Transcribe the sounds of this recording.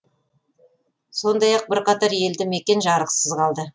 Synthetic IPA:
so̞nd̪ɑjɑq̚bɪɾqɑt̪ɑɾje̞ld̪ɪme̞kʲe̞nʒɑɾəqsəzʁɑlˠd̪ə

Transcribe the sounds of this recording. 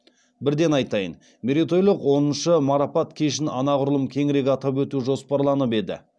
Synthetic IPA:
bɪɾd̪e̞nɑjt̪ɑjə̰n | mʲeɾit̪o̞jlˠəqwo̞nənʃəmɑɾɑpɑt̪kʲʰeʃ̬ɪnɑnɑʁʊɾlˠəmkʲʰe̞ŋɾe̞kʲɑt̪ɑp̬wɵt̪uʒo̞spɑɾlˠɑnəpe̞d̪ɪ̰

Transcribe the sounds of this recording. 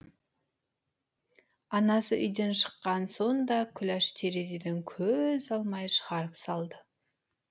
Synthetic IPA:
ɑnɑsəʔʏ̰jd̪e̞nʃə̥qːɑnso̞nd̪ɑkʲʰʏlæʃt̪ʰeɾezed̪eŋkʲʰɵzɑlˠmɑjʃəʁɑɾəpsɑlˠd̪ə

